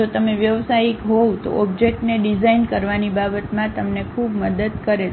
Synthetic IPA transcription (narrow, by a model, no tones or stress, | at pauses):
ot̪əmeʋjəʋsaikɦot̪o̰ɔbd͡ʒek̚ʈneɖid͡ʒainkəɾʋanibabət̪mãt̪əmnekʰubməd̪əd̪kəɾe